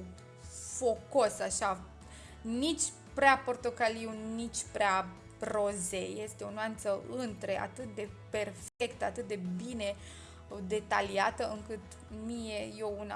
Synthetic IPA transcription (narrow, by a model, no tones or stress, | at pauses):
fo̞ko̞saʃa | nit͡ʃʲ | pɾeapo̞rt̪o̞kaliunit͡ʃʲpɾea | ro̞zeje̞st̪eo̞noant̪səʔɨnt̪ɾe̞ʔa̰t̪ɨt̪̚d̪e̞pe̞rfe̞kt̪əat̪ɨt̪̚d̪e̞bine̞ | d̪e̞t̪a̰liat̪əɨŋkɨt̪ | mije̞jouna̰